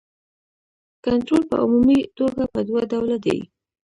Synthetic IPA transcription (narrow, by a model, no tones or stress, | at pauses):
kant̪ɾolpə̰ʊmumit̪oɡapəd̪wad̪awlad̪ḛj